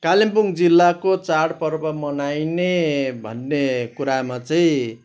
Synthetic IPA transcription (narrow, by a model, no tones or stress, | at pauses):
kalimpuŋd͡zilːakot͡saɽpʌrbʱʌmʌnajnebʱʌ̰nːekuɾamat͡sʌĩ